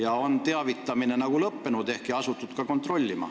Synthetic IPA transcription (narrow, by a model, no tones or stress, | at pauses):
jɑo̞nt̪eɑvit̪ːˑɑmine̞nɑɡ̥ulɤpːenud̪̥e̞hkiɑsut̪ːˑut̪kɑko̞nt̪ːro̞lʲːimɑ̰